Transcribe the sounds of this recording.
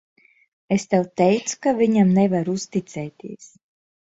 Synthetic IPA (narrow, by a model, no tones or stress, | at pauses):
est̪ɛwt̪ɛjt̪su̥kaviɲamnevaɾust̪it̪sɛːt̪ʲiɛs